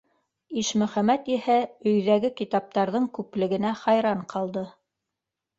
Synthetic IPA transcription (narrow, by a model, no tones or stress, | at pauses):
iʃmɵ̆χæmæt̪ihæɵ̆jðæɡɘkit̪ɑp̚t̪ɑɾðɤŋkʉplɘ̆ɡɘ̆næχɑjɾɑɴqʰɑlˠd̪ɤ